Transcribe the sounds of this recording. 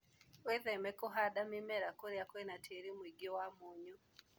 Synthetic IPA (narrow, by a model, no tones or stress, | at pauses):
weðɛmɛkoɦadamimɛɾakoɾjakwenatʰeɾimwiɡiɔwamuɲu